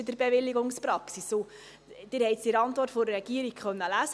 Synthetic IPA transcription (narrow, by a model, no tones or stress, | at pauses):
ɪd̪əɾbeʋɪlːiɡʊŋspɾɑksiso | d̥ɪːɾhɛɪt̪siɾɑnt̪ʋɔrtfoɾɾɛɡ̥iəɾikχœnːəlæsə